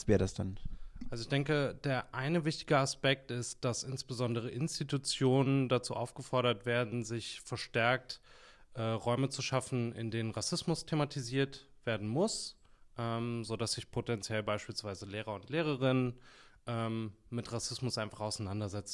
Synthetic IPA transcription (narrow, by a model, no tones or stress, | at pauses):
sv̥ɛːɐdasd̥anʔalzoɪçd̥ɛŋkəd̥eːɐʔaɪnəvɪçtɪ̥ɡəaspɛk̚tɪst̚d̥asʔɪnsb̥əzɔndəʁ̞əʔɪnstitut͡sjoːnəndat͡sṵːʔaʊfɡ̥əfɔɐɾɐtv̥eːɐdn̩zɪçfɛɐʃtɛɐk̚t | ʔɛːʁɔʏmət͡suʃafn̩ɪ̰ndeːnənʁasɪsmʊstʰematʰiziːɐt | v̥eːɐdn̩mʊsʔɛːmzodasz̥ɪçpʰotɛnt͡sjɛlbaɪʃpiːlsv̥aɪzəleːʁ̞ɐʊntleːʁ̞əʁ̞ɪnn | ʔɛːmːɪtʁasɪsmʊsʔaɪnfaχaʊsaɪnandɐzɛt͡s